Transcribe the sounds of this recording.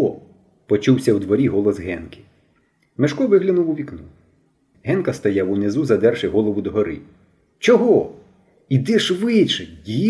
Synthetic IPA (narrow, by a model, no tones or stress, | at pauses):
ɔ | pɔt͡ʃuwsʲɐwd̪ʋɔɾʲiɦɔlˠɔsɦɛnkʲɪ̥ | mɪʃkɔʋɪɦlʲɐnʊwʊʋʲiknu | ɦɛnkɐst̪ɐjawʊnɪzuzɐd̪ɛrʃɪɦɔlˠɔʋʊd̪ɔɦɔɾɪ̰ | t͡ʃɔɦɔ | id̪ɪʃʋɪt͡ʃɛdʲi